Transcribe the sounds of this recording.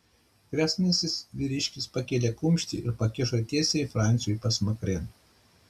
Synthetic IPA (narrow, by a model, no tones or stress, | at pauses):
kɾʲæsnʲɐsʲɪsʋʲiɾʲɪʃʲkʲɪspɐkʲeːlʲekʊmʲʃʲt̪ʲɪ̰ɪɾpɐkʲɪʃot̪ʲiɛsʲɛɪfɾɑˑnʲt̪sʲɪjujpɐsmɐkɾʲen